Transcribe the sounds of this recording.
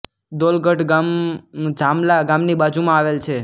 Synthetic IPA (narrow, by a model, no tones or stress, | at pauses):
d̪olɡəʈɡamd͡ʒamlaɡamnibad͡ʒumãaʋelt͡ʃʰe